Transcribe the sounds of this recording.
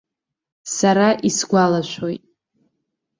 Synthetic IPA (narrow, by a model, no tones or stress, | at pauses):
saɾaʔisɡʷalaʃʷo̞jtʼ